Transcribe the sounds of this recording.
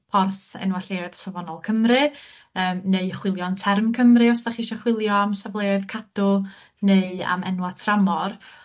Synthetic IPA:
pʰɔrθɛ̰nwaɬeɨðsəvɔnɔlˠkʰəmrɨ | əːmneɨχwɪlˠjɔntʰɛrmkʰəmrɨɔsdaχiʃɔχwɪlˠjɔamsablˠeaðkʰadʊ | neɨa̰mɛ̰nwatʰramɔr

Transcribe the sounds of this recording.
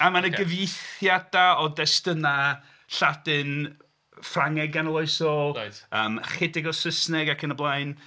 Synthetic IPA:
amanəɡəvijθjad̥aɔdɛstəna | ɬadɨn | fraŋɛɡanlˠɔɨsɔəːmχɪdɪɡɔsəsnɛɡakʰənəblˠajn

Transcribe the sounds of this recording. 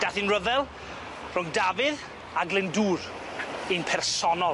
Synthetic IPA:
d̥aθinrəvɛlˠ | rʊŋdavɪð | aɡlˠɪnduːr | inpʰɛrsɔnɔlˠ

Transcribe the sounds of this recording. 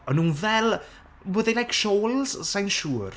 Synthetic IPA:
ɔnũːnvɛlˠ | wəðelajkʃoːlˠz̥sajnʃuːr

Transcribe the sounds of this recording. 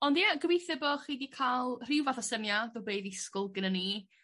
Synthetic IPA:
ɔndiaɡəwejθɛbɔχiːdikʰalˠr̥ɪwvaθɔsəmjaðɔweɨðiskʊlˠɡənəni

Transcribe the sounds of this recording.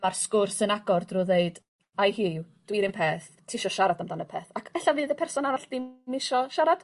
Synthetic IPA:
marskʊrsənaɡɔrdrʊðejd̥ | ajhiːd̥wiɾɪmpʰeːθ | tʰiːʃɔʃaɾadamdanəpʰɛːθakʰɛɬavɨːðəpʰɛrsɔnaɾaɬd̥ɪmɪʃɔʃaɾad̥

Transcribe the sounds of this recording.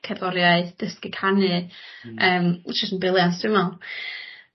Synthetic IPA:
kʰɛbɔɾjaɨðd̥əskɪkʰanɨ | əːmt͡ʃɪstənbɪlˠjansd̥ɪmalˠ

